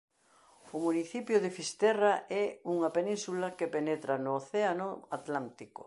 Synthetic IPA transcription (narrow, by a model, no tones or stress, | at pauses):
ʊmuniθipjʊðɪfist̪ɛraɛuŋɐpenĩnsulɐkepenet̪ɾanoːθeanʊat̪lant̪ikʊ̰